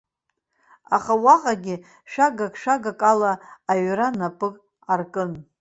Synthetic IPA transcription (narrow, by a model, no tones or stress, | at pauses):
aχawaqʼaɡʲɪ | ʃʷᶣaɡakʼʃʷᶣaɡakʼalaːɥɾanapʼɨkʼ | arkʼɨn